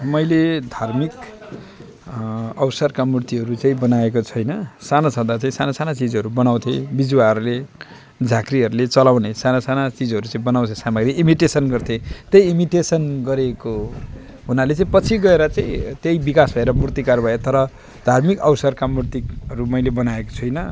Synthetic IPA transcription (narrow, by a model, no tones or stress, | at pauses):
mʌjled̪ʱarmik | ʌwsʌrkamurt̪iɦʌɾut͡saĩbʌnaekot͡sʰʌjnʌsanat͡sʰʌ̃d̪at͡saĩsanasanat͡sid͡zʌɾubʌnaw̃t̪ʰḛbid͡zwaɦʌɾule | d͡zʱakriɦʌɾulet͡sʌlawnesanasanat͡sid͡zʌɾut͡saĩbʌnaw̃t̪ʰesamaɡriimiʈesʌnɡʌrt̪ʰet̪ʌjimiʈesʌnɡʌɾeko | ɦunalet͡saĩpʌt͡sʰiɡʌeɾʌt͡sãĩt̪jejbikasbʱʌeɾʌmurt̪ikarbʱʌet̪ʌɾʌ | d̪̥ʱarmikʌwsʌrkamurt̪iɦʌɾumʌjlebʌnaeko̥t͡sʰʌjnʌ